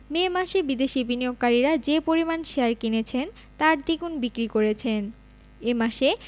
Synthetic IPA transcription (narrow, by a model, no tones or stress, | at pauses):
memaʃebid̪eʃibʱinijoɡ̚kaɾiɾad͡ʑepoɾimanʃeaɾkinet͡ɕʰen | t̪aɾd̪iɡunbikɾikoɾet͡ɕʰen | emaʃe